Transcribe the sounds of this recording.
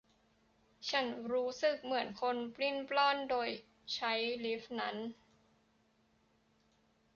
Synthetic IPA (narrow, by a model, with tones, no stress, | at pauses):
t͡ɕʰa˦˥nɾuː˦˥sɯ˨˩k̚mɯ˩˦ənkʰo˧npli˥˩nplɔː˥˩ndoː˧j | t͡ɕʰa˦˥jli˦˥fna˦˥n